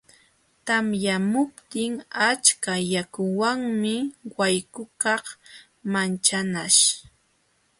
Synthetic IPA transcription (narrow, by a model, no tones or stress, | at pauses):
t̪amjamʊpt̪ɪŋat͡ʃkajakʊwaŋmɪwajkʊkɑχ | mant͡ʃanaʃ